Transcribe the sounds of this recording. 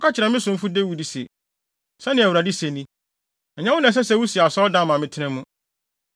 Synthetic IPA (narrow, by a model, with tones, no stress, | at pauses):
ɔ˦kʰa˦t͡ɕʰɪ˨ɾa˨mɪ̃˦sʊ̃˨m̩˦fu˦de˦wu˨di˨sḛ˨ | sɛ˦nɪ̃˨æ˨u˨ɾa˨di˦se˨nĩ˦ | ɛ˨ɲã˦wʊ̃˦nã˨s̬ɛ˦sɛ˦wu˦si˨a˨sɔ˦dã˦mã˨mɪ̃˦tʰɪ˦nɛ̃˦mũ˦